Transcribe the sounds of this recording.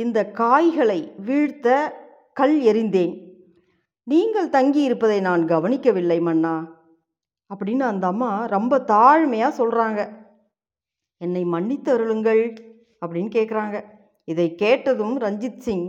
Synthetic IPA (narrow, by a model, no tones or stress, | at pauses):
ɪnd̪ɐkaːjɣɐɭɐɪʋiːɻt̪ːɐ | kɐɭɛɾɪnd̪eːn | niːŋɡɐɭt̪ɐŋɡijɪɾɯpːɐðɐɪnaːnɡɐʋɐnɪkʲːɐʋɪlːɐɪmɐnːaː | ɐpːɐɽɪnːɯɐnd̪ɐːmːaːɾɔmbɐt̪aːɻmɐjaːsɔlraːŋɡɐ | ɛnːɐɪmɐɳːɪt̪ːɐɾɯlɯŋɡɐɭ | ɐpːɐɽɪnːɯkeːʈkɪɾaːŋɡɐ | ɪðɐɪkeːʈːɐðɯmɾɐɲd͡ʒɪsɪŋ